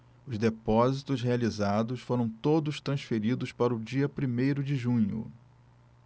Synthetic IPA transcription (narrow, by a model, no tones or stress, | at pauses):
ʊzd̪epɔzit̪ʊsɦealizad̪ʊsfoɾɐ̃w̃t̪od̪ʊst̪ɾɐ̃sfeɾid̪ʊspaɾɐʊd͡ʒiɐpɾimejɾʊd͡ʒɪʒũɲʊ̰